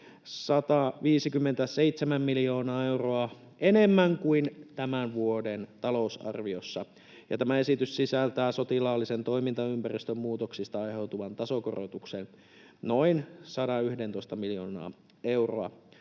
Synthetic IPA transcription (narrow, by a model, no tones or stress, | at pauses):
sɑt̪ɑʋiːsikymːent̪æse̞it̪semæmːiljo̞ːnɑːe̞wroɑ | ʔenemːæŋkuint̪æmænʋuodent̪ɑlo̞usɑ̰rʋiosːɑ | jɑ̰t̪æmæe̞sit̪yssisælt̪æːso̞t̪ilɑːlːisent̪oimint̪ɑympærist̪ømmuːt̪oksist̪ɑɑjhe̞wt̪uʋɑnt̪ɑsoko̰ro̰t̪uksen | noinsɑdɑyhdent̪o̞ist̪ɑmiljoːnɑ̰ː | e̞uroɑ̰